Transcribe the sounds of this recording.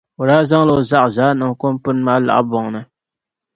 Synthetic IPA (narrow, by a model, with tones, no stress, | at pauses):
o˨ɾaː˦za˦ŋla˨o˨za˦ʔzaː˦nɨ˨ŋko˦mpʊ˦nma˦la̰˨ʔbɔ˨ŋnɨ˦